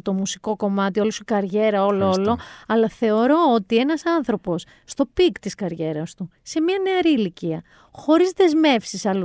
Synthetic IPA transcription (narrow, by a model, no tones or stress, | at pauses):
t̪o̞musi̥ko̞ko̞mɐt̪iolosikɐɾʝe̞ɾɐo̞loolo̞ɐlɐθe̞o̞ɾo̞ot̪ie̞nɐsɐnθɾo̞po̞sːt̪o̞pikt̪iskɐɾʝe̞ɾɐst̪u | se̞mɲɐneɐɾiːliciɐ | xo̞ɾizðe̞zme̞fsisɐlu